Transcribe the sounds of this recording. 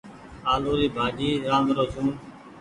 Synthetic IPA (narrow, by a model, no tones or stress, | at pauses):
aːloːɾiːbʱaːd͡ʒiːɾãːnd̪ɾoːt͡ʃuːn